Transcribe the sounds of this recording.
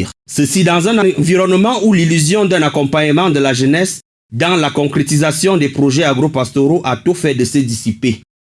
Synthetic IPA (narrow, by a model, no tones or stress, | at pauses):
ʁsəsid̪ɑ̃zɛ̃nɑ̃viʁɔnmɑ̃ulilyzjɔ̃d̪ɛ̃nakɔ̃mpaɲəmɑ̃d̪əlaʒənɛs | d̪ɑ̃lakɔ̃kχet̪izasjɔ̃d̪ɛpχoʒɛaɡʁopast̪oʁoʔat̪ofɛd̪əsəd̪isipe